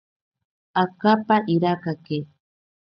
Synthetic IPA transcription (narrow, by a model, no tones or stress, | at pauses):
akapaʔiɾakake